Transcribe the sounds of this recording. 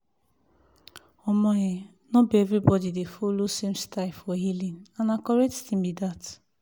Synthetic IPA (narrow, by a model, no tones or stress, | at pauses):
ɔmɔɲe | nɔbevɾibɔdidefolosemstaɪfɔɦilĩnanakɔɾɛtstimidat